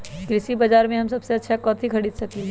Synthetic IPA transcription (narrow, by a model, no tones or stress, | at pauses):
ɡɾɪsibɐd͡ʒaːɾmẽɦɐmsɐbseɐtːʃʰakɔːt̪ʰikʰɐɽiːd̪sɐkĩ